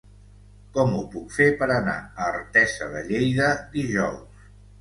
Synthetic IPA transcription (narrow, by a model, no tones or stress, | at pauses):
kɔmupukfepəɾəna̰əːɾt̪ɛsəðə̰ʎejðəd̪iʒɔws